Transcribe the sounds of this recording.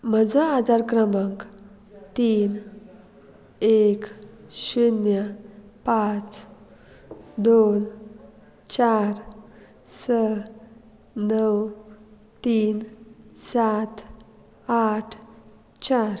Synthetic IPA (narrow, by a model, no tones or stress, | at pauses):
m̤əd͡zəad͡zʱaɾkɾəməŋk | t̪iːn | ekɕunjəpat͡s | d̪on | t͡ɕaɾ | sə | nəw | t̪iːnsat̪ | aʈʰ | t͡ɕaɾ